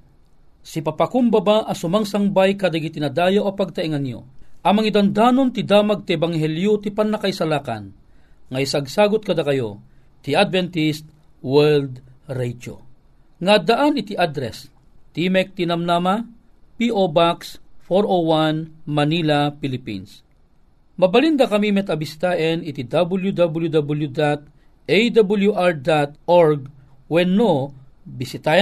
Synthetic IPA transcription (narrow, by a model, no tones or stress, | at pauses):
sipapakʊmbɐbaʔɐsʊmaŋsɐŋbajkad̪aɡit̪ɪnad̪aːjawʔopɐɡ̚t̪ɐʔiŋanjo̰ʔɐmɐŋid̪ɐnd̪aːnont̪ɪd̪aːmaɡ̚t̪iɛbaŋɦɛljot̪ipɐnːɐkaisalaːka̰n | ŋɐjsaɡ̚saːɡʊt̪̚kɐd̪akɐjo | t̪iad̪̚vɛnt̪ist̪̚ | wɛld̪ɾɛjd͡ʒo̰ | ŋad̪aʔanɪt̪iʔad̪ɾɛs | t̪imɛk̚t̪inɐmnama | piʔobaksfoɾowanmɐniːlapilɪpḭns | mɐbɐlind̪ɐkɐmimɛt̪ɐbisɪ̥t̪aːʔɛnit̪id̪abuljud̪abuljud̪abuljud̪at̪̚ | ʔejd̪abuljuʔaɹd̪at̪ʔoɹɡ̚ | wɛnːobɪsɪt̪a